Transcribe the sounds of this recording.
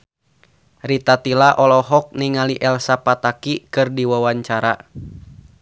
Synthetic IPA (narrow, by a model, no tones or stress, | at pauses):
rit̪at̪ilaʔɔlɔɦɔk̚niŋaliʔɛlsapat̪akikɨrdiwawaɲt͡ʃaɾa